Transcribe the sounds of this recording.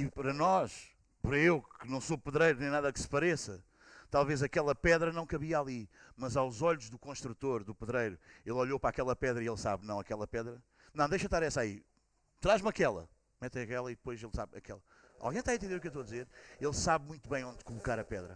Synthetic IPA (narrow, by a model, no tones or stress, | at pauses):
ipɐɾɐnɔʃ | pɾɐewkɨnɐ̃w̃sopɨðɾɐjɾunẽnaðɐksɨ̥pɐɾesɐ | t̪alˠvezɐkɛlˠɐpɛðɾɐnɐ̃w̃kɐβiɐalˠimɐzawzɔʎuʒðukõʃt̪ɾut̪oɾðupɨðɾɐjɾuelˠɔʎopɾakɛlˠɐpɛðɾɐielˠsa̰βnɐ̃w̃ɐkɛlˠɐpɛðɾɐ | nɐ̃w̃d̪ejʃɐt̪aɾɛsaḭ | t̪ɾaʒmɐkɛlˠɐ̰ | mɛt̪ɐ̃ɐkɛlˠɐiðpojzelˠsa̰βɐkɛlˠɐ | a̰lˠɣɐ̃j̃t̪aɐ̃t̪ẽd̪eɾukewt̪oɐd̪izeɾelˠsaβmũj̃t̪uβɐ̃j̃õnd̪kulˠukaɾɐpɛðɾɐ̰